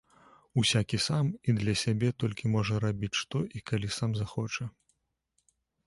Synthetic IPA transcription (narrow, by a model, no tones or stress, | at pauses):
usʲakʲisamid̪lʲɐsʲabʲɛt̪ɔlʲkʲimɔʐɐɾabʲit͡sʲʂt̪ɔʔikalʲisamzaxɔt͡ʂɐ